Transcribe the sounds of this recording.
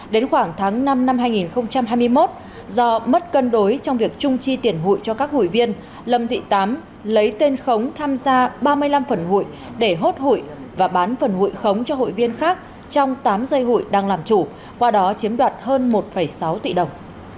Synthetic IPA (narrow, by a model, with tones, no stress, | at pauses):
ɗe˨˦nxwaː˧˩ŋt̪ʰaː˨˦ŋna˧mna˧mɦaː˧jŋi˨˩nxə˧wŋ͡mt͡ɕa˧mɦaː˧jmɨ˧əjmo˦˥t̚ | zɔ˧mə˦˥t̚kə˧nɗo˨˦jt͡ɕɔ˧wŋ͡mvi˨˩ək̚t͡ɕʊ˧ŋ͡mt͡ɕi˧t̪i˨˩ənɦṵ˧˨jt͡ɕɔ˧kaː˦˥k̚hṵ˧˨jvi˧ən | lə˨˩mt̪ʰḭ˧˨t̪aː˨˦m | lə˨˦jt̪e˧nxə˨˦wŋ͡mt̪ʰaː˧mzaː˧ɓaː˧mɨ˧əjla˧mfə˨˩nɦṵ˧˨j | ɗe˧˩ɦo˦˥t̚hṵ˧˨jvaː˨˩ɓaː˨˦nfə˨˩nhṵ˧˨jxə˨˦wŋ͡mt͡ɕɔ˧ho̰˧˨jvi˧ənxaː˦˥k̚ | t͡ɕɔ˧wŋ͡mt̪aː˨˦mzə˧jɦṵ˧˨jɗaː˧ŋlaː˨˩mt͡ɕu˧˩ | kwaː˧ɗɔ˨˦t͡ɕi˨˦əmɗwaː˨˩t̚həː˧nmo˨˩t̚fə˧˩jsa˨˦wt̪ḭ˧˨ɗə˨˩wŋ͡m